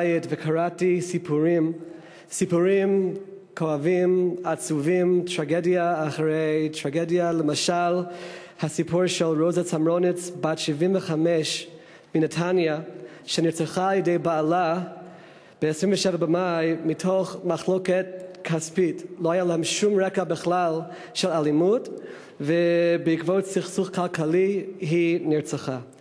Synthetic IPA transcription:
jɛtvɛkʰaɹatisipʰuɹim | sipuɹim | kʰoavimat͡suvimtʰɹaɡɛdjaːχɹejtʰɹaɡedjaləmaʃal | hasipʰuɹʃɛlɹozat͡samɹonɪt͡sbatʃivimvəχamɛʃ | minɛtʰanja | ʃɛniɹt͡saχaːlˠjədejbaːla | b̥ɛɛsɹĩmvəʃɛvabəmajmitʰoχmaχlokɛtkʰaspitlohajalahɛmʃumɹɛkabəχlalˠ | ʃɛlalimut | vɛbɪikvotsiχsuχkʰalˠkʰaliɦiniɹt͡saχa

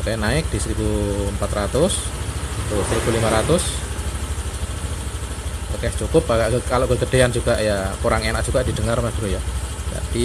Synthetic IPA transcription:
t̪ajanaɪk̚d̥isəɾibuəmpat̪ɾat̪ʊst̪usəɾib̥ulimaɾat̪ʊs | akɛht͡ʃukʊpaɡakkaloʔkəɡədeand͡ʒuɡaʔjakuɾaŋenak̚d͡ʒ̥uɡadidəŋarmasdɾujad͡ʒa̰d̥i

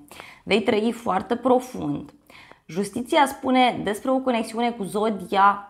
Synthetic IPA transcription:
ve̞jt̪ɾəifoart̪epɾo̞fṵnd̪ | ʒust̪it̪siaspune̞d̪e̞spɾe̞o̞ko̞neksiune̞kuzo̞d̪ia

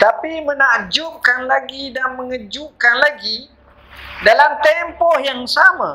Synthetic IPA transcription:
t̪apimənad͡ʒuʔkanlaɡidanməŋəd͡ʒuʔkanlaɡi | dalamt̪ɛmpɔhjaŋsama̰

